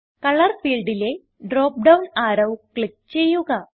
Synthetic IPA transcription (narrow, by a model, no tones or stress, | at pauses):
kɐɭɐrfiːlɖile̞ | ɖroːp̚ɖɐwnaːɾɐʋkɭik̚t͡ɕe̞jːuɣɐ